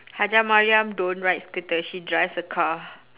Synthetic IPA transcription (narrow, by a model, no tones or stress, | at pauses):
had͡ʒamaɹiãmdõnɹajt̚skɨt̪əʃidɹajfsəkʰa